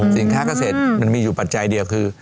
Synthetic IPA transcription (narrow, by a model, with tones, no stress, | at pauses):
si˨˦ŋk̪ʰaː˥˩ka˧seː˨˩t̪̚ma˧nmiː˧juː˨˩pa˨t̪̚t͡ɕa˧jdi˧əwkʰɯː˧